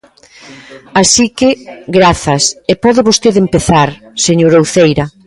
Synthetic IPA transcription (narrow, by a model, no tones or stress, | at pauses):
asikɪɡɾaθɐsepɔðɪβost̪eðempeθaɾseɲoɾowθejɾɐ